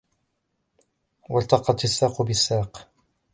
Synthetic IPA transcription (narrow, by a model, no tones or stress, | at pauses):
walt̪ɑqɑt̪sːaːqʊbɪsːaːq